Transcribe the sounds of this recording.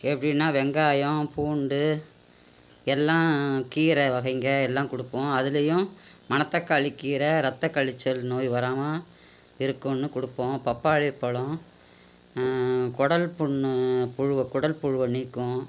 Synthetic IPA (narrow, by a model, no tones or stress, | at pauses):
ɛpːɐɽɪnːaːʋɛŋɡaːjɔ̃puːɳɖɯ | ɛlːãːkiːɾɐʋɐɣɐɪŋɡɐɛlːãːkʊɽɯpːõːɐðɪlɐjʊ̃mɐnɐt̪ːɐkːaːɭɪkːiːɾɐɾɐt̪ːɐkːɐɭɪt͡ʃːɐlnoːjʋɐɾaːma | ɪɾɯkːʊ̃nːɯkʊɽɯpːõːpɐpːaːɻɪpːɐɭʊ̃ | kɔɽɐlpʊɳːpʊɻɯʋɐkʊɽɐlpʊɻɯʋɐniːkːʊ̃